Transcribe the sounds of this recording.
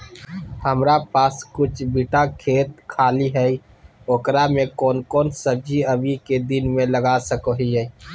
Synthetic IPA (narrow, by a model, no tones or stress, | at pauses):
həmɾapaːskʊt͡ʃʰbiʈakʰeːt̪̚kʰaːliɦɛi | oːkɾamẽkɔːnkɔːnsəb̚d͡ʒiəbʱiked̪ɪnmẽləɡaːsəkoɦiɦɛi